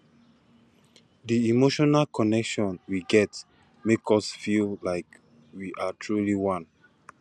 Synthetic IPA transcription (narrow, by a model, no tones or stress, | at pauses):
diimoʃɔnalkʰɔnɛkʃɔ̃nwiɡɛt | mekʰɔsfillaɪk | wiʔatʰɹuliwãn